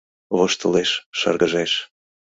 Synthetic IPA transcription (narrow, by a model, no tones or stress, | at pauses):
βoʃt̪əleʃːə̰rɣəʒeʃ